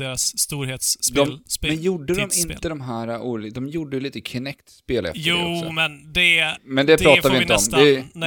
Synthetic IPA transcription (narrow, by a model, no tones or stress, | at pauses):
d̪eːɾasːt̪uːɾheːt̪sd̪ɔmlmɛnjuːɖːəd̪ɔmɪnt̪əd̪ɔmɦæːɾaʔuːld̪ɔmjuːɖːəjliːt̪əkʰɪnɛkt̪speːlɛ̰fsmɛnd̪ɛmɛnd̪ɛpɾɑːavɪɪnt̪əɔmd̪ɛ